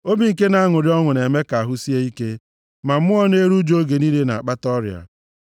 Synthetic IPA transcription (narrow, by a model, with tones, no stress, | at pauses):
o˦bi˨ŋ̩˨ke˦na˨a˦ŋʊ˨ɾɪ˦ɔ˦ŋʊ˨ne˨me˦ka˨a˨ɦʊ˦si˦e˦i˦ke˦ | ma˨m̩˦mʊ˦ɔ˦ne˦ɾu˦d͡ʒo˦ɡe˨ni˦le˦na˨a˨k͡pa˦tɔ˦ɾi˨a̰˨